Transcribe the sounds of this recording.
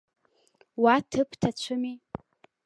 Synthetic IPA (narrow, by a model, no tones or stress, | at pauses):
watʰɨpʰtʰat͡ɕʷʰɨmi